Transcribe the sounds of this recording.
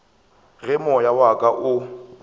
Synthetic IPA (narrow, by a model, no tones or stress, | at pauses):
ɣɛmɔjawakʼaʔʊ